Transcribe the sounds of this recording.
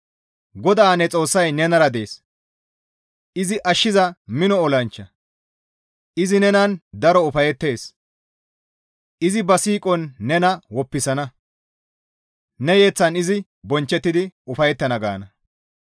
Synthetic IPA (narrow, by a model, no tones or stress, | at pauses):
ɡɔd̪aːnɛt͡sʼo̞ːsːɐjnɛnɐɾɐd̪e̞̰ːs | ɪzɪʔɐʃːɪzɐmɪnɔːlɐnt͡ʃːɐ | ʔɪzɪnɛnɐnd̪ɐɾɔʊfɐjɛt̪ːe̞ːs | ʔɪzɪbɐsiːkʼɔnːɛnɐwɔpːɪsɐnɐ | nɛje̞ːt͡sːɐnɪzɪ | bɔnt͡ʃːɛt̪ːɪd̪ɪʊfɐjɛt̪ːɐnɐɡa̰ːnɐ